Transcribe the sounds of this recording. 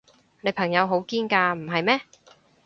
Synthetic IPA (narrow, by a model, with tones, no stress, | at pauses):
ne˨˧jpʰɐ˨˩ŋjɐ˨˧wɦo˨˥wkiː˥nkaː˧m̩˨˩ɦɐ˨jmɛː˥